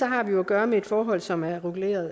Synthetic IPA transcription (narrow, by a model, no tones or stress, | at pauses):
sɒ̽ɦɑ̈ʋijo̝æɡ̥ɶːɐmee̝d̥fɒːɦɒ̽l̰sɒ̽mæɐʁuɡ̥le̝̰ːɐð̩ˠ